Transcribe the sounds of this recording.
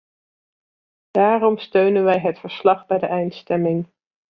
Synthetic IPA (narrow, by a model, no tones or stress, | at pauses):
d̥aːrɔmstøɥnənʋɛjɦətfəɹslɑχbɛjdəʔɛjntstɛmɪŋ